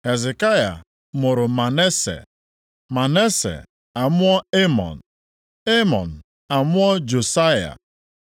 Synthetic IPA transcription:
he˨ze˨ka˦ja̰˨ | mʊ˨ɾʊ˨ma˨ne˦sḛ˨ | ma˨ne˦sḛ˨ | a˨mʊ˦ɔ˦e˦mɔ̰˨n̩˨ | e˦mɔ̰˨n̩˨ | a˨mʊ˦ɔ˦d͡ʒo˨sa˦ja̰˨

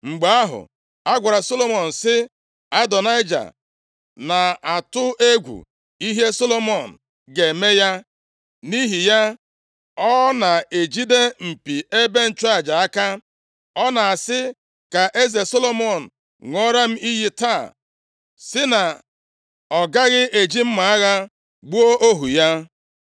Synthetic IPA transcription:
ŋ͡m̩˨ɡ͡ba˨˦a˦ɦʊ̰˨ | a˦ɡʷa˨ɾa˨so˦lo˦mɔ˨n̩˨sɪ˦ | a˦dɔ˨na˦ɪ˦d͡ʒa̰˨ | na˨a˨tʊ˦ʔe˦ɡʷṵ˨ | i˦ɦe˦so˦lo˦mɔ˨n̩˨ | ɡe˨me˦ja˦ | ni˦ɦi˨ja˦ | ɔ˦na˨e˨d͡ʒi˦de˦m̩˨pi˨e˦be˦n̩˨t͡ʃa˦˨d͡ʒa˨a˦ka˦ | ɔ˦na˨a˨sɪ˦ | ka˨ʔe˦ze˨so˦lo˦mɔ˦˨n̩˨ | ŋʷɔ˦ɾa˦m̩˦i˦ɦi˦taː˦˨ | sɪ˦na˨ | ɔ˨ɡa˦ɣɪ˦ʔe˨d͡ʒi˦m̩˦ma˨a˦ɣa˦ | ɡ͡bu˦o˦ʔo˦ɦu˨ja˦

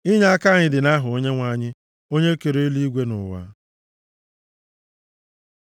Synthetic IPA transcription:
i˦ɲa˦a˦ka˦˨ɲɪ˨dɪ˨na˦ɦʊ˨o˦ɲe˦ŋʷa˦˨ɲɪ˦ | o˦ɲe˦ke˨ɾe˦li˦i˦ɡʷe˦nʊ˨wa̰˦

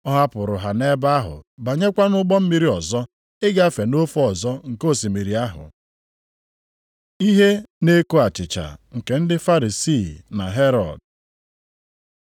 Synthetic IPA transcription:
ɔ˦ɦa˦pʊ˨ɾʊ˨ɦa˨ne˦ba˦ɦʊ̰˨ba˨ɲe˦kʷa˦nʊ˦ɡ͡bɔ˦m̩˦mi˦ɾi˦ɔ˨zɔ˦ | ɪ˦ɡa˦fe˨no˦fɔ˨zɔ˦ŋ̩˨ko˦˨si˨mi˨ɾi˨a˦ɦʊ̰˨ | i˦ɦe˦ne˦ko˦a˨t͡ʃɪ˨t͡ʃa̰˨ŋ̩˨ke˨n̩˦dɪ˦fa˦ɾi˨si˦˨na˨ɦe˦ɾɔ̰˨d

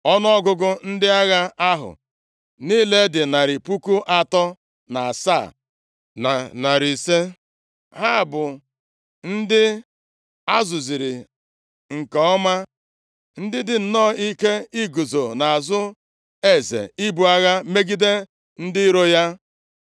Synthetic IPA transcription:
ɔ˦n˦ɔ˦ɡʊ˦ɡʊ˦n̩˦dɪ˦a˦ɣa˦a˦ɦʊ̰˨ | niː˦le˦dɪ˨na˨ɾɪ˨pu˦ku˦ʔa˦tɔ˦ | na˨a˨sa̰ː˦˨ | na˨na˨ɾi˨se˦ | ɦa˦˨bʊ˨ | n̩˦dɪ˦ | a˦zʊ˨zi˨ɾi˨ | ŋ̩˨kɔ˨ɔ˦ma˦ | n̩˦dɪ˦dɪ˨n̩˨nɔː˦˨i˦ke˦i˦ɡu˨zo˨na˨a˨zʊ˦ | e˦zḛ˨i˦bu˨a˦ɣa˦me˦ɡi˦de˦ | n̩˦dɪ˦i˦ɾo˦ja˦

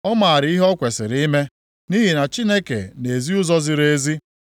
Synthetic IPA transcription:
ɔ˦ma˨a˨ɾɪ˨˦i˦ɦɔ˦kʷe˨sɪ˨ɾi˦me˦ | ni˦ɦi˨na˨t͡ʃi˦ne˦kḛ˨ne˨zi˦ʊ˦zɔ˦zɪ˨˦ɾe˦zi˦

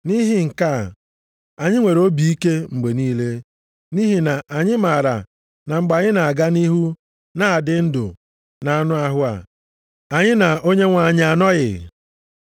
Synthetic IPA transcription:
ni˦ɦɪ˦ŋ̩˨ka˦˨ | a˨ɲɪ˦ŋʷe˨ɾo˦bi˨i˦ke˦ŋ͡m̩˨ɡ͡be˨niː˦le˦ | ni˦ɦi˨na˨ʔa˨ɲɪ˦ma˨ɾa̰˨ | na˨ŋ͡m̩˨ɡ͡ba˨ɲɪ˦na˨a˨ɡa˦ni˦ɦu˦ | na˦a˨dɪ˦n̩˦dʊ̰˨ | na˨a˨nʊ˦a˨ɦʊ˦a̰˨ | a˨ɲɪ˦na˨o˦ɲe˦ŋʷa˨a˨ɲ˦a˨nɔ˦ɣɪ̰˨

